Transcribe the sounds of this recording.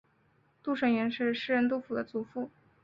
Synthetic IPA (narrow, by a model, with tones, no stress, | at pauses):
t̪u˥˩ʂə˨˩ŋɥɛ˧˥nʂɻ̩˥˧ʂɻ̩˥˧ɻə˥nt̪u˥˩fu˨˩d̪ə˦t͡su˨˩fu˥˩